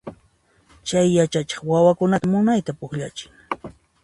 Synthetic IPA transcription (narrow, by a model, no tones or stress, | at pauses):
t͡ʃajːat͡ʃat͡ʃɑ̥χwawakʊnat̪amʊnajt̪apʊkʎat͡ʃɪ̥ŋ